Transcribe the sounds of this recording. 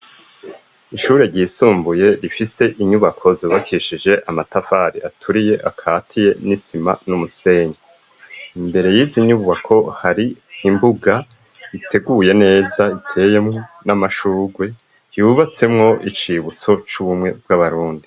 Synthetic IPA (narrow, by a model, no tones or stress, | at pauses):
iʃuːɾeɾɟiːsuːmbuje̞ɾifise̞ʔiɲuβakʰo̞zuβakʰiʃid͡ʒe̞ʔamatafaɾiatʰuɾije̞ʔakʰaːtʰije̞nisima̰numuse̞ɲa | imbe̞ɾe̞jiːziɲuβuβakʰo̞haɾiimbuɡa | itʰe̞ɡuje̞ne̞ːzaitʰe̞je̞mŋo̞namaʃuːɡwe̞ | juβat͡se̞mŋo̞ʔit͡ʃiβut͡so̞t͡ʃuβumŋe̞b̚ɡaβaɾuːndi